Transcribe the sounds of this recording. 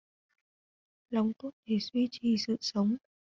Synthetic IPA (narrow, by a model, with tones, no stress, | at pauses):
la˨˧wŋ͡mt̪o˦˥t̚ɗ̪ʰe˧˩swi˧t͡ɕi˨˩sɨ̰˧˨sə˨˦wŋ͡m